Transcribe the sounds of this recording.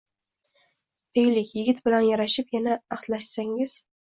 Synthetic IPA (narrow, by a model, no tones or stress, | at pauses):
d̪̥ejlɪkʲjɪɡʲɪt̪bɪlanjaɾaʃɪpjanaːχt̪laʃsaŋɪz̥